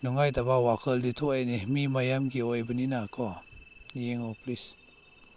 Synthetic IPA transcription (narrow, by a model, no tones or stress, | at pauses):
nɔŋajdabawakʰəlditʰɔanehmimajamɡiɔjbəninakʰɔ | nijeŋɔplis